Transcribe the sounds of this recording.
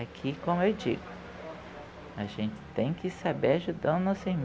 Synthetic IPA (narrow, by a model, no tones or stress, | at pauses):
akʰikõmʊewd͡ʒḭɡʊ | aʒẽnt͡ʃɪ̥t̪ẽj̃kɪsabeɾaʒud̪ɐ̃d̪ʊnɔsɪm